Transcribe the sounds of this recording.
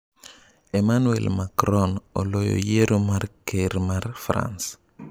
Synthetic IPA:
emanuḛlmakɾɔnɔlojo̰jeɾomarkeɾmarfɾa̰ns

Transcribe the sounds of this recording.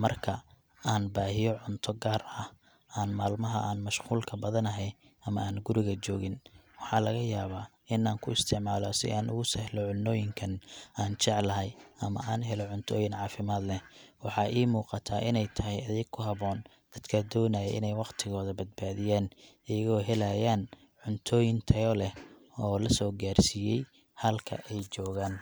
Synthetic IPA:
mɐrkʰɐ | aːnbaːɦɪjɔʕʊnt̪ʰɔɡaːrɐh | aːnmaːlmɐɦɐ̰ʔaːnmɐʃquːlkʰɐbɐðɐnɐɦɛj | ʔɐmɐaːnɡʊɾɪɣɐt͡ʃɔːɣɪn | wɑħɑːlɐɣɐjaːβaː | ɪnaːŋkʰʊɪst̪ʰɪʕmaːlɔsɪ̰ʔaːnʔʊ̰ɣʊsɛhlɔʕʊnːɔːjɪŋkʰɐnaːnt͡ʃɛʕlɐɦɛjɐmɐ̰ʔaːnɦɛlɔʕʊnt̪ʰɔ̰ːjɪnʕɑːfɪmaːd̪lɛwɑħɑʔiːmuːqɑt̪ʰaːʔɪnɛjt̪ʰɐɦɛjɐðɛɡkʰʊɦɐβɔːn | d̪̥ɐd̪kʰɐd̪ɔːnɐjɛʔɪ̰nɛjwɑqt̪ʰɪɣɔːðɐbɐd̪̚baːðɪjaːnʔɪjɐɣɔːɦɛlɐjaːn | ʕʊnt̪ʰɔːjɪnt̪ʰɐjɔlɛ | ɔːlɐsɔːɡaːrsijɛj | hɐlkʰɐ̰ʔɛjt͡ʃɔːɣaːn

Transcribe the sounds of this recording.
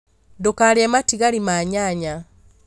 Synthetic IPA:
dokaɾɛmatiɣaɾimaɲaɲa

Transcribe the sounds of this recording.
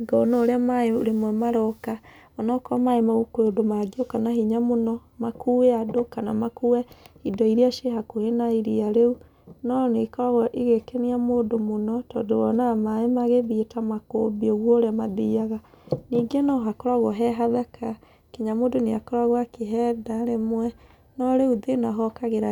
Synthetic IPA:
ɡɔnɔːɾeamaeoɾemwɛmaɾɔka | ɔnɔkɔmaemaɣukweodomaɡiokanahiɲamonɔmakueadokana̰makuwɛhidɔiɾiaʃeɦakohenaiɾiaɾeu | nɔnekɔɾaɣɔʔiɣekeniamoːdomonɔtɔ̰ːdowɔnamaemaɣeβitamakobioɣwɔɾeamadiaɣa | niːɡenɔɦakoɾaɣɔɦɛɦaðɛkʰa | kiɲamoːdoneakɔɾaɣwakeɦɛdaɾemwɛ | nɔɾeuðenaɦɔkaɣeɾa

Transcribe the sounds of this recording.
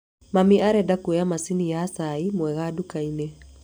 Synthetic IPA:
mamiʔaɾɛdakuɛamasinijaːsaimwɛɣadukainɛ

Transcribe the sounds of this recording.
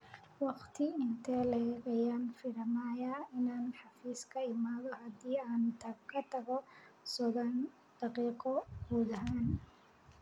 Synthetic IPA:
wɑqt̪ʰɪɪnt̪ʰɛːlɛɣɐjaːnfɪɾɐmaːjaːɪnaːnħɑfiːskʰɐɪmaːðɔhɑd̪iːaːnt̪ʰɐkʰɐt̪ʰɐɣɔ | sɔðɐn | d̪̥ɑqiːqɔɡuːðɐɦaːn

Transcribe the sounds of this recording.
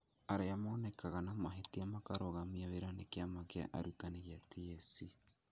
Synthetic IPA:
aɾeamaːnɛkaɣanamaɦetiamakaɾoɣamiaweɾanekeamakḛʔa̰ɾutaneɣiatiɛsi

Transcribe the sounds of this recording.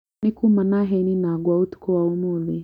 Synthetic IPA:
nikumanaɦɛninaɡwaut̪u̥kɔwaumuli

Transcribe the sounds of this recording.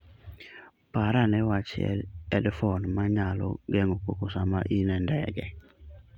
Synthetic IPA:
paɾanɛwat͡ʃɪ̰ɛ̰ɛdfɔnmaɲalo̰ɡɛŋokokosamaʔinɛndɛ̰ɡɛ

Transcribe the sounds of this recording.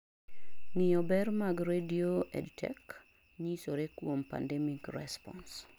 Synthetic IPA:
nɪɔbɛrmaɡɾedioɛ̰dtʰɛ̰k | ɲisoɾekwompa̰ndɛmikrɛ̰spɔ̰ns

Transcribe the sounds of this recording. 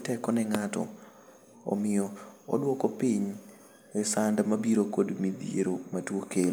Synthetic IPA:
tɛkɔnɛŋatɔ̰ | ɔ̰mɪjɔɔ̰dwɔkɔpiɲ | ɛsandmabiɾokodmid̪iḛɾomatwokel

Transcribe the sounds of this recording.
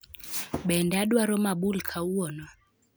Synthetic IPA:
ɓɛndaɗwaɾɔmaɓulkʰauɔnɔ

